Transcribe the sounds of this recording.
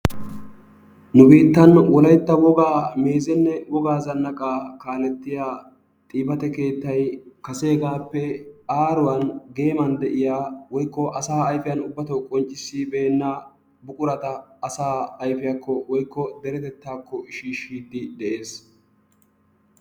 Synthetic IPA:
nʊbiːt̪ːɐnwɔlɐjt̪ːɐwɔɡaːme̞ːzɛnːɛwɔɡaːzɐnːɐkʼaːkaːlɛt̪ːɪjaː | t̪ʼiːbɐt̪ɛke̞ːt̪ːɐjkɐse̞ːɡaːpːɛaːɾʊwɐnɡe̞ːmɐnd̪ɛʔɪjaːwɔjkːɔʔɐsaːjfɪjɐnʊbːɐt̪ɔwkʼɔnt͡ʃʼːɪsːiːbeːnːɐ | bʊkʼʊɾɐt̪ɐːsaːɐjfɪjɐkʰːɔwɔjkːɔd̪ɛɾɛt̪ɛt̪ːaːkːɔɪʃiːʃːiːd̪ɪd̪ɛʔe̞ːs

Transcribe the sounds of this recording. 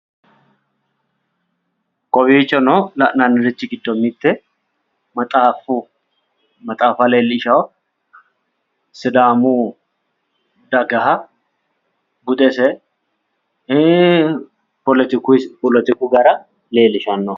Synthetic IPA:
kʼɔbiːt͡ʃːɔnɔlɐʔnanːɪɾɪt͡ʃːɪɡɪd̪ːɔmɪt̪ːɛ | mɐt̪ʼaːfu | mɐt̪ʼaːfɐleːlːɪʃɐw | sɪd̪aːmu | d̪ɐɡɐɦɐ | bʊd̪ɛsɛ | pɔlt̪ɪkpɔlɛt̪ɪkuɡɐɾɐ | le̞ːlɪʃɐnːɔ

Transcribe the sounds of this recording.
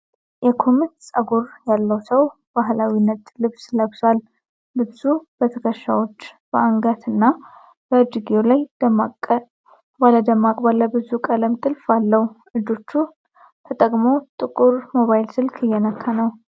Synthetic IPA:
jɛkʰo̞mɨt̪sʼəɡuɾjalːəwsəw | b̥aɦlawinːət̪ʼlɨβsləbsal | bɨbzubət̪ʰəkʰəʃa̰wo̞t͡ʃːb̥əaŋɡat̪ʰɨnːa | b̥əd͡ʒiɡijolaj | baləd̪əmːakʼbalːəbɨzukʼələmt̪ʼɨlfalːəhuʔɨd͡ʒo̞t͡ʃːu | t̪ʰət̪ʼəkʼmot̪ʼɨkʼuɾmo̞βajɪlsɨlkʰɨjːɛnəkʰːanəw

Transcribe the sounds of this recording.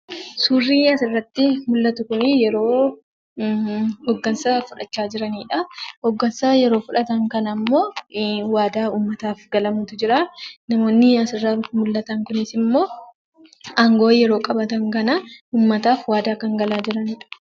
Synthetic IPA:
suːrːiːjaːsɪrːɐt̪ːɪmʊlːɐt̪ʊkʊnɪjɛɾo̞ː | hɔɡːɐnsɐfʊᶑɐt͡ʃːaːd͡ʒɪɾɐniːᶑɐhɔɡːɐnsɐjɛɾo̞ːfʊᶑɐt̪ɐŋkɐnɐmːo̞ːwaːd̪aːuːmːɐt̪aːfɡɐlɐmuːt̪ʊd͡ʒɪɾanɐmo̞ːnːɪjaːsɪrːaːrut̪ːɪmʊlːɐt̪ɐŋkʊnɪsɪmːo̞ː | ɐŋɡo̞ːjɛɾo̞ːkʼɐbɐt̪ɐŋkɐnɐuːmːɐt̪aːfwaːd̪aːkɐŋɡɐlaːd͡ʒɪɾɐniːᶑɐ̥

